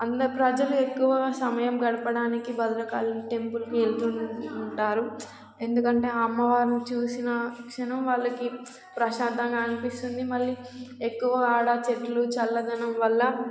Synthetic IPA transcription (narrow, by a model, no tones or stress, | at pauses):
ɐnd̪ɐpɾɐd͡ʒɐlue̞kːuʋɐsɐmɐjɐmɡɐɽɐpɐɽaːnikibɐd̪ɐɾɐkaːluʈe̞mpulɐkielt̪uɳʈaːɾu | e̞nd̪ukɐɳʈe̞ːɐmːɐʋaːɾnit͡ʃuːsinɐkʂɐnɐmʋaːɭːɐki | pɾɐʃaːd̪ʱɐŋɡaːnipist̪und̪imɐlːi | e̞kːuʋɐaːɽat͡ʃeʈlut͡ʃɐlːɐd̪ɐnɐmʋɐlːɐ